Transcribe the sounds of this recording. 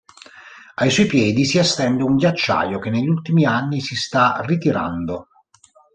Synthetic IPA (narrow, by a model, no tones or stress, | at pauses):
ajsɔjpjɛːd̪isiast̪ɛnd̪euŋɡjat͡ʃːa̰ːjokenːeʎːult̪imianːisist̪arit̪iɾa̰nd̪o